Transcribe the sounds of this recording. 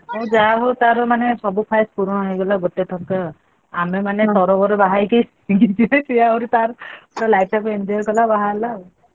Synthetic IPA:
mõd͡ʒaɦot̪aɾɔmanesɔbupʰajspuɾũaɦiɡɔlaɡot̪et̪ʰɔkɔ | amemanet̪ɔɾɔbɔɾebaɦajke | ɡid͡ʒinet͡ʃijauɾit̪aɾpɔɾɔlajʈapindiɔɾkɔlabaɦaɾla

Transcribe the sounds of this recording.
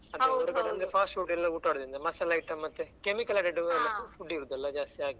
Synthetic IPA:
ɐd̪eɐɾukɐɽɐʋɐnd̪epʰaːsʈuːʈɛlːɐuʈːaːɽd̪ind̪ɐmɐsɐlɐiʈːɐmɐt̪ːekemikɐlɐɖeɖuɛlːɐuɖːiːɾud̪ɐlːɐd͡ʒaːst̪iaːɡi

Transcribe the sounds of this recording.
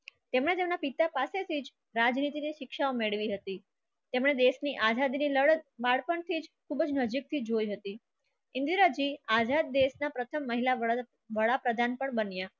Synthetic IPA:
t̪emɳet̪emnapit̪apaset̪ʰid͡ʒ | ɾad͡ʒnit̪iniʃɪkʃaomeɭʋiɦət̪i | t̪emɳ̃ed̪esniʔazad̪iniləbaɭpəɳt̪ʰid͡ʒkʰubəd͡ʒnəd͡ʒik̚t̪ʰid͡ʒojɦət̪i | ɪnd̪iɾad͡ʒiazad̪̚ːesnapɾət̪ʰəmːəɦila | ʋəɭapɾəd̪ʱanpəɳbənja

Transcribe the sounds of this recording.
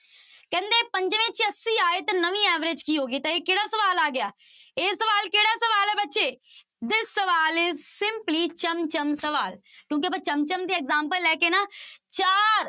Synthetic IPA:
kɛ̃ːnd̪eːpə̃ɲd͡ʒʋẽːt͡ʃəsiːaːeːt̪ɐnəʋĩːɛːʋɾed͡ʒkiːɦoːɡiːt̪aeːkeːɽaːsəʋaːlaːɡɪjaː | eːsəʋaːlkeːɽaːsəʋaːlɦɛːbətːʃeː | d̪ɪsːəʋaːlesɪ̃mpliːt͡ʃəmt͡ʃəmsəʋaːl | kjõːkepət͡ʃəmt͡ʃəmd̪iːɛɡzãːmpəlːɛːkeːnaːt͡ʃaːɾ

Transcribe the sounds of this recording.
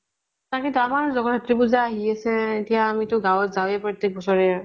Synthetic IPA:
t̪akĩnt̪amaɹzɔɡɔbʱatːɹipuzaːɦiasɛetijaːmitʊɡawɔtzawjɛpɹɔt̪ːek̚bɔsɔɹɛ

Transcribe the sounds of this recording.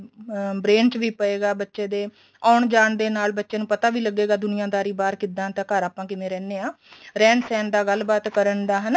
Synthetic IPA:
bɾeːnt͡ʃʋiːpəeːɡaːbətːʃẽːd̪eː | aːɳd͡ʒaːɳd̪eːnaːlbətːʃẽːnũːpət̪aːʋiːləɡːeːɡaːd̪ʊnɪjãːd̪aːɾiːbaːɾkɪd̪ãːnt̪ãːkəɾaːpãːkɪmɛ̃ːɾɛːneːãː | ɾɛːnsɛːnd̪aːɡəlːbaːt̪kəɾənd̪aːɦən

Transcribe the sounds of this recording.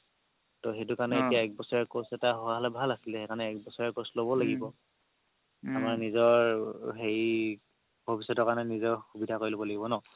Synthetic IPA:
toxejtukanɛetiaɛk̚bɔsɔɹɛɹkosɛtaɦɔwaɦɔlɛbʱalasilɛhekʰanɛɛk̚bɔsɔɹaɹkoslobɔlaɡibɔ | amaɹnizɔɹɦej | bʱobisɔtɔkanɛnizɔɹxubidʱakoɹilobɔlaɡibɔnɔ

